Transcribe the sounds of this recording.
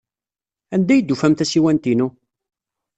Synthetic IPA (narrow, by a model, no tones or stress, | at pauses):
ænd̪æjəd̪ːufæmt̪æsiwænt̪inu